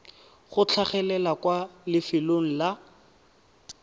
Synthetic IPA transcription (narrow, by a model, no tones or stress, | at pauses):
χʊt͡ɬʰaχɛlɛlakwalɪfɪloŋ̩la